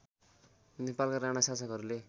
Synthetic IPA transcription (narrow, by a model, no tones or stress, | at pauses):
nepalkaɾaɽasasʌkʌɾule